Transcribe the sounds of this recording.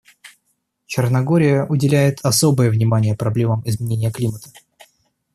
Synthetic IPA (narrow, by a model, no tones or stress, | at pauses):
t͡ɕɪrnɐɡo̞ɾʲɪjəʔʊdʲɪlʲæjɪt̪ʰɐso̞bɨjəvnʲɪmanʲɪjəpɾɐblʲe̞məmɪzmʲɪnʲenʲɪjəklʲimət̪ə̥